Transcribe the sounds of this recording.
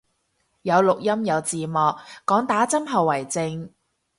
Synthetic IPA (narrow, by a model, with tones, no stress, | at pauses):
jɐ˨˧wlʊ˨k̚jɐ˥mjɐ˨˧wt͡siː˨mɔː˨k̚ːɔː˨˥ŋt̪aː˨˥t͡sɐ˥mɦɐ˨wːɐ˨˩jt͡sɪ˧ŋ